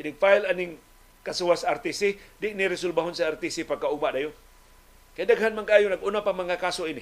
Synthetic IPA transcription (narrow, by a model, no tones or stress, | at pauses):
aniŋfailaniŋ | kasuwasart̪isidiʔniɾisulbaɦunsaart̪isipakaumaʔdaju | kadaɡaɦanmaŋkaːjunak̚unapamaŋkakasoini